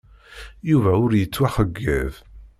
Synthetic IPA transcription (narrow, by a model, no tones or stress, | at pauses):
juvæʊɾjət͡sːwæħəɡːæ̰v